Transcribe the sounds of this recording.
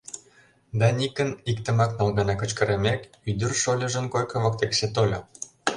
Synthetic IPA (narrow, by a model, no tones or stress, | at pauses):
d̪ɑnʲikə̆nikt̪ə̆mɑknɑlɣɑnɑkə̆t͡ɕkə̆ɾemʲek | yd̪ə̆rʃolʲə̆ʒə̆nkojkɤ̆βɤ̆k̚t̪ekset̪ol̆ʲ